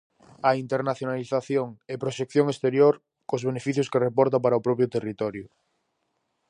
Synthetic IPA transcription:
aint̪eɾnaθjonaliθaθjoŋepɾoʃekθjoŋest̪eɾjoɾ | kozβ̞enefiθjʊskerepɔɾt̪̬apaɾaopɾɔpjʊt̪erit̪ɔɾjʊ

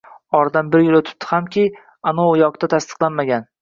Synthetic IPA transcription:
ɒɾd̪anbɪɾjɪlot̪ʰɪ̥p̚t̪ʰːɪ̥hamkʲɪ | anoʊjɒqt̪ʰat̪ʰast̪ʰɨ̥qlˠanmaɡʲan

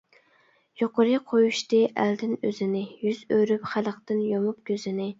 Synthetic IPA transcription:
joqʊɾɨqʰojuʃt̪ɨʔæ̰ld̪ɪnøzɪnɪjyzøɾypχælˠəqt̪ɨnjomup̚kʲʰøzɪnɪ

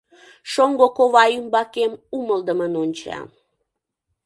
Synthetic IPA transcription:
ʃoŋɡokoβɑymbɑkemuməld̪əmənonʲt͡ɕɑ̰

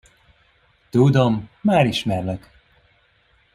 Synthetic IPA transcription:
t̪ud̪omːaːɾiʃmɛrlɛk

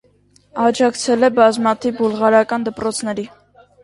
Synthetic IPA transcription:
ɑd͡ʒɑkt͡sʰɛlɛbɑzmɑt̪ʰivbulʁɑɾɑkɑnd̪əpɾɔt͡sʰnɛɾi

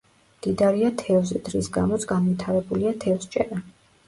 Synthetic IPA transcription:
d̪̥id̪aɾiat̪ʰɛvzɛd̪ɾḭsɡa̰mɔt̪sʰɡanvit̪ʰaɾɛbuliat̪ʰɛvst͡ʃʼɛ̰ɾa

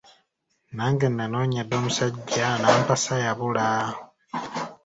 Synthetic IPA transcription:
naːŋɡenːano̞ːɲadːo̞ːmusaɟːanaːmpasajaβulao

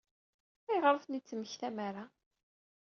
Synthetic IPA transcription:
æjəʁɾəfnit͡sːməçθæmaɾa

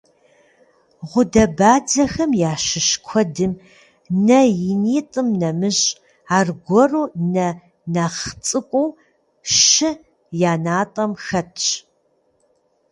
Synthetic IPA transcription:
ʁʷʊdɐbaːd͡zɐxɐmjaːʃɨʃkʷʰɔdɨm | nɐjɪniːtʼɨmnɐmɨʑʼ | aːrɡʷɔruːnɐ | naχt͡sʼɨkʷʼuː | ʃɨ | jaːnaːtʼɐmxɐtʰʼt͡ʃ

